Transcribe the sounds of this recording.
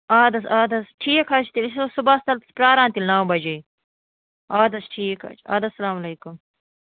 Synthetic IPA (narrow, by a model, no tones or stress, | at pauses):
aːd̪ɐsaːd̪ɐsʈʰiːkʰɐt͡ʃt̪ilis̬osubast̪ɐlt̪spɾaːɾãːnt̪ilnaːbɐd͡ʒij | aːd̪ɐsʈʰiːkɐ̰t͡ʃʰa̰ːd̪ɐsːɐlaːmɐleːkum